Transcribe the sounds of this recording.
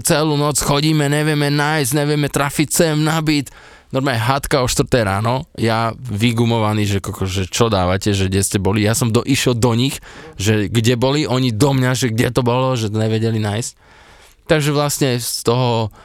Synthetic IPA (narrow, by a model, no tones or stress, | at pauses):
t͡sɛluːnɔt͡sxɔɟiːmɛɲɛʋɪɛmɛnajsɟɲɛʋɪɛmɛt̪ɾafict͡sɛmnabit̪ | nɔɾmaːlɲɛɦat̪kaɔʃt̪ʋɾ̩t̪ɛjɾaːnɔjaʋiɡumɔʋaniːʒɛkɔkɔʒɛt͡ʃɔd̪aːʋacɛʒɛɡɟɛscɛbɔlijasɔmd̪ɔʔiʃɛlˠd̪ɔɲixʒɛɡɟɛbɔliʔɔɲid̪ɔmɲaʒɛɡɟɛt̪ɔbɔlɔʒɛt̪ɔɲɛʋɛɟɛlinaːjsc̚ | t̪aɡʒɛʋlasɲɛst̪ɔɦɔ